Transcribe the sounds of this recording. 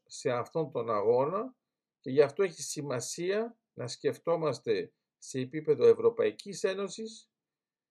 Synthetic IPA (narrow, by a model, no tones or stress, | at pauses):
se̞ɐft̪o̞nt̪o̞nɐɣo̞nɐ | ce̞ʝɐft̪o̞e̞çisimɐsiɐ | nɐsce̞ft̪o̞mɐst̪e̞ | se̞ːpipe̞ðo̞e̞vɾo̞pɐicise̞no̞sis